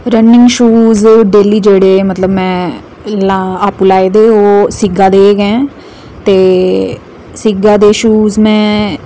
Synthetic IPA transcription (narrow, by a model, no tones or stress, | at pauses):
ɾənɪ̃ŋɡʃuːzɖeːliːd͡ʒeːɽeːmət̪ləbmɛ̃ː | laaːpuːlaːeːd̪eːoːsɪɡãːd̪eːɡɛ̃ː | t̪eː | sɪɡãːd̪eːʃuːzmɛ̃ː